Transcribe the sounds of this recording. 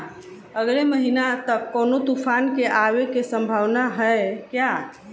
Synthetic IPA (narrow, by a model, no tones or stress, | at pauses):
əɡleməɦinat̪əkːonot̪upʰankeʔaʋekesəmbʱaʋnaɦəekja